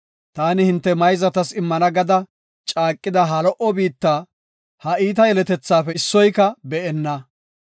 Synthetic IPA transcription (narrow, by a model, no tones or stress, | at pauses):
t̪aːnɪhɪnt̪ːɛmɐjzɐt̪ɐsɪmːɐnɐɡɐd̪ɐ | t͡ʃʼaːkʼːɪd̪ɐɦɐlɔʔɔbiːt̪ːaː | hɐʔiːt̪ɐjɛlɛt̪ɛt͡sːaːfɛsːɔjkɐbɛʔɛnːɐ